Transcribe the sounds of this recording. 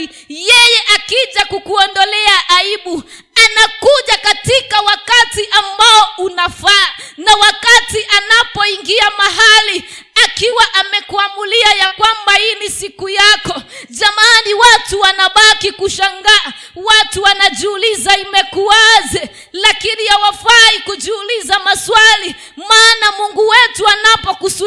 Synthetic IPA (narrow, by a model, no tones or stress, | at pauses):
jɛjɛʔakiʄakukuɔndɔlɛaʔaiɓu | anakuʄakatikawakatiʔambaɔunafanawakatiʔanapɔiŋɡiamaɦali | akiwaʔamɛkuamuliajakwambainisikujakɔ | zamaniwatuwanaɓakikuʃaŋɡa | watuwanaʄuulizaimɛkuazɛ | lakiniawafaikud͡ʒuulizamaswali | maːnamuŋɡuwɛtuanapɔkusu